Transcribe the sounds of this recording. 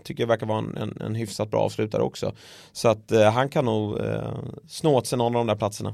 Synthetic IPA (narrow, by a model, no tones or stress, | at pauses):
t̪ʰʏkːəjavæɾkaɾvɑːɛnɛ̰nɛ̰nɦʏfsat̪̚bɾɑ̰ːɑːvslʉ̟ːt̪aɾə̰ɔ̰ksɔ̰ | sɔat̪ɦankʰanːuːɡ | snoːt̪sɛnɔnaɾd̪ɔmd̪æɾpʰlat̪səɳa̰